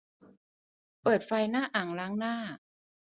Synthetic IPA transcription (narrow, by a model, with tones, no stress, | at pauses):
pɤː˨˩t̪̚fa˧jnaː˥˩ʔaː˨˩ŋlaː˦˥ŋnaː˥˩